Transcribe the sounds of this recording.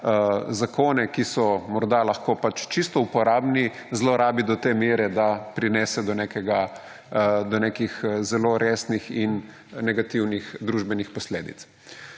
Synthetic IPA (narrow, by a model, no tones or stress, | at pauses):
zakoːnɛkisɔmɔɾd̪alaxkoːpat͡ʃt͡ʃist̪ɔupɔɾaːbni | zloɾaːbid̪ɔt̪eːmeːɾɛd̪apɾinɛːsɛd̪ɔnekɛɡa | d̪ɔnekixzɛloɾʔeːsnixin | nɛɡat̪iwnixd̪ɾuʒbɛnixpɔsleːd̪ḭt̪s